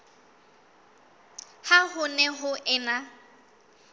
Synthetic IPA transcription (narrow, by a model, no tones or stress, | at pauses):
hahʊnɛɦʊʔɪna